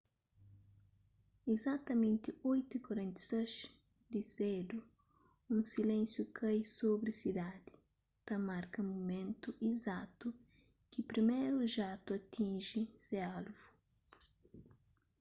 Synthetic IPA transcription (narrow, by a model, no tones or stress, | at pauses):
izat̪ɐmẽnt̪ɪojt̪ukoɾẽnt̪i̥sɐʃ | d̪ised̪u | ũsilẽnsjukɐjsobɾɪsid̪ad̪ɪ̥ | t̪ɐmaɾkɐmumẽnt̪uʔizat̪u | kɪpɾimejɾuʒat̪uɐt̪ĩnʒisealvu